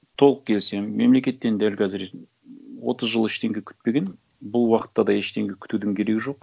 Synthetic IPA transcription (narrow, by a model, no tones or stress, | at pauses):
t̪ʰo̞lˠəq̚kʲʰe̞lse̞mːe̞mle̞kʲe̞t̪ːe̞nd̪ælkʲʰæzɪɾ | wo̰t̪əzʒəlˠɪʃt̪e̞ŋɡʲe̞kʲʰʏ̥t̪̚pe̞ɡʲe̞n | bʊlˠwɑqə̥t̪ːɑd̪ɑeʃt̪e̞ŋɡʲe̞kʲʰʏ̥t̪ud̪ɪŋkʲʰe̞ɾe̞ɡʲɪʒo̞q̚